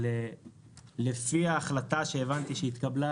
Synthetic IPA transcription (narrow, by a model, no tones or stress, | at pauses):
e | lefiaːχlat̪aʃeːvant̪iʃeit̪kabla